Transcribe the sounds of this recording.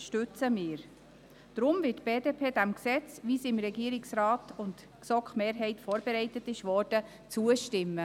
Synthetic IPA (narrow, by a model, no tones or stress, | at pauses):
ʃtʏt͡səmɪːɾ | d̥ɾʊmvɪtb̥eːdepʰeːdæmksɛt͡svisɪmɾɛɡiːəɾɪksraːtʊnt | ksɔkχmeːɾɦɛɪtfɔːɾb̥eɾɛɪtətɪʃʋɔːɾd̥ə | t͡suəʃtɪmːə